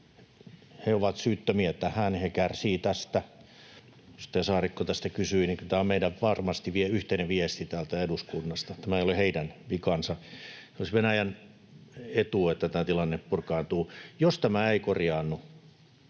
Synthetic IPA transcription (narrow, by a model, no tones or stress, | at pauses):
heoʋɑt̪syːt̪ːømiæt̪ːæhænhekærsiːt̪æst̪æ | jost̪ːɑsɑːrikːot̪æst̪ækysyiniŋkylt̪æːommeidæʋʋɑrmɑst̪iʋieyht̪eneʋiest̪it̪æːlt̪æeduskunːɑst̪ɑt̪æmæeijoliheidænpikɑnsɑseolisʋenæjæn | et̪uet̪ːæt̪æːt̪ilɑnːeppurkɑːnt̪uːjost̪æmæeikorjɑːnːu